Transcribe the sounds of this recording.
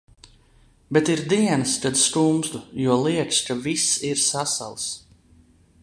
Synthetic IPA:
bet̪iɾd̪iɛnɨskad̪st̪umsd̪ujuɔliɛkskavisiɾsasa̰lˠs

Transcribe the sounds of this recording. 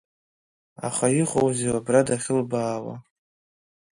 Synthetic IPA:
a̰χajiχʼowzewabradaχʲɪlbaːwa̰

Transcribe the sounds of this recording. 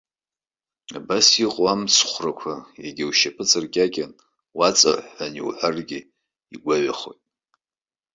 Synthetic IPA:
abasiqʼwamt͡sʰχʷrakʷʰajaɡʲiwʃapʰɨt͡sʼɨrkʲʼakʲʼan | wat͡sʼa̰ʕanḭwħʷarɡʲɪ | iɡʷaɥaχo̞̰jtʼ

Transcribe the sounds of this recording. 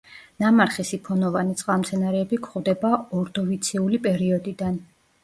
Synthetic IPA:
namaɾχisipʰɔnɔvanit̪sʼqʼamt̪sʰɛnaɾɛːbikʰχvd̪ɛbaɔɾd̪ɔvit̪sʰɛulipʼɛɾiɔd̪id̪an

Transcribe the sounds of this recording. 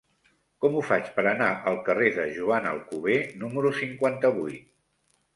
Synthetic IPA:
kɔmufat͡ʃpəɾənaʔəlˠkəreðəʒuanə̰lˠkuβ̞enuməɾusiŋkwant̪əβujt̪̚

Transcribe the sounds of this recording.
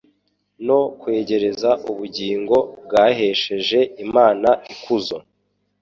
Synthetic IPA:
no̞kwe̞ːɟe̞ɾe̞zaʔuβuɟiːŋɡo̞b̚ɡaːɦe̞ːʃe̞ʒe̞imaːnaʔikuzo

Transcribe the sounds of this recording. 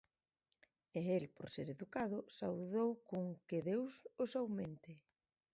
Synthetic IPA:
eelpoɾseɾeðukað̞ʊsawðowkoŋkɪðewsʊsawmẽnt̪ɪ

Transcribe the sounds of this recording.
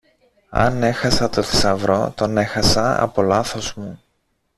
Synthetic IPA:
ɐ̰ne̞xɐsɐt̪o̞ði̥sɐvɾo̞t̪o̞ne̞xɐsɐɐ̰po̞lɐθo̞zmu

